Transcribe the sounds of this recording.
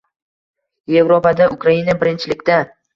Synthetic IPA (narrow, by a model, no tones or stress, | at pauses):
je̞vɾopad̪aʔʊkɾainabɪɾɪnt͡ʃʰɪlɪkʲd̪a